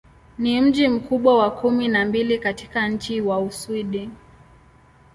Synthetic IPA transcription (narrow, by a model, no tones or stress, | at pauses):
nim̩ʄim̩kuɓwawakuminambilikatikaɲ̩t͡ʃiwauswiɗi